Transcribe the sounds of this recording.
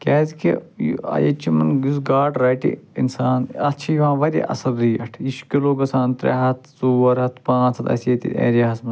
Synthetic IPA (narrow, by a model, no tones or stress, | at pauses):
kʲɛːzkijɐ̰jɐt͡ʃimɐnɡuzɡaːɖɾaːʈḭḭnsaːnɐt͡ʃʰijʋãːʋɐɾʲḭʔɐ̰sɐɾːiːɐʈʰiʃkʲiloːɡɐsaːnt̪ɾḛɦɐt̪ʰsuːʋɐɾɦɐt̪ʰpãːt͡sʰɐt̪ɐ̰sjɐt̪ḭḛ̃ːɾɐɦɐsmɐ